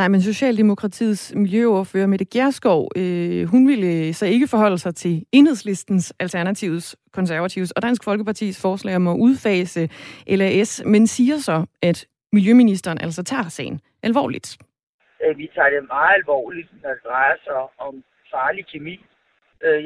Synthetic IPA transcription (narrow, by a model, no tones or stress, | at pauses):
nɑ̈ɪmenso̝ɕɛ̰ːld̥e̝mo̝kʰʁɑ̈t͡sʰḭːsmiljøoɐføːɐmed̥eɡ̥jæɐsɡ̥ɒʊ̰øɦunʋelsɒ̽e̝ɡ̥əfɒ̽ɦɒ̽l̰əsɑ̈ɪt͡sʰe̝le̝nheðˠsle̝sd̥n̩sʔælt͡sʰæɐnæt͡sʰiʊskʰɒ̽nsæɐʋæt͡sʰiʊsɒ̽d̥æn̰sɡ̥fɒ̽lɡ̥əpʰɑ̈t͡sʰḭːsfɒːslɛ̰ɪɒ̽mɒ̽ʔuð̞ˠfɛ̰ːsəʔelæesmensiːɐsɒ̽ʔæd̥ | miljøminisd̥ɐːnʔæl̰sɒt͡sʰɑ̰̈ːsɛ̰ɪn̩ | ʔælʋɒ̰ːlid̥ | ʋit͡sʰɑ̰̈ːd̥e̝mɑ̈ːð̩ˠælʋɒ̰ːlid̥nɒd̥ed̥ʁɑɪɐsɑ̈ɪɒ̽m | fɑːlikʰemḭː